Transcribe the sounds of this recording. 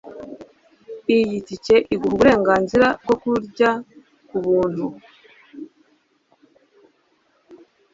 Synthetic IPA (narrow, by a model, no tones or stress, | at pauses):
ijitice̞ʔiɡuβuβuɾe̞ːŋɡaːnziɾab̚ɡo̞kuɾɟa | kuβuːn̥hu